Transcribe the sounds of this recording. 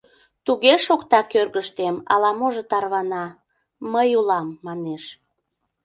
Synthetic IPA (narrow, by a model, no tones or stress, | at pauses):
t̪uɣeʃokt̪ɑkørɣəʃt̪emɑ̰lɑmoʒet̪ɑrβɑnɑ | məjulɑmːɑneʃ